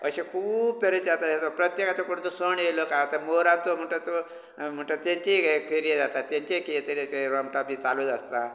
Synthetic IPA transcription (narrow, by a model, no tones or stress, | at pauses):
əɕekʰuːb̚t̪ʰəɾet͡ɕat̪aet̪opɾət̪jekat͡sokoɽũt̪osəɳelokat̪əɾmoɾãnt̪om̤əʈət̪o | m̤əɳʈət̪jeɲt͡ɕipʰeɾijed͡zat̪at̪ːjẽɲt͡ɕekit̪əɾeɾəmʈabiːt͡salud͡zəst̪a